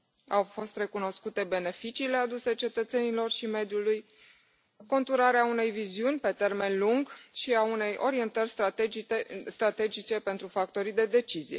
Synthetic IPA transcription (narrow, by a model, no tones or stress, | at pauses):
awfo̞st̪re̞kuno̞skut̪e̞be̞ne̞fit͡ʃiːle̞ad̪use̞t͡ʃe̞t̪ət̪se̞nilo̞rʃime̞d̪juluj | ko̞nt̪uɾaɾeaune̞jviziunʲpe̞t̪e̞rme̞nluŋɡʃiaune̞jʔo̞ɾie̞nt̪ərʲst̪est̪ɾat̪e̞d͡ʒit͡ʃe̞pe̞nt̪ɾufak̚t̪o̞ɾid̪e̞d̪e̞t͡ʃizije̞̰